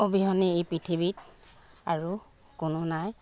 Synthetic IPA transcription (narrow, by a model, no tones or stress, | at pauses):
obiɦɔneejpɹitʰibitaɹu | kʊnʊnaj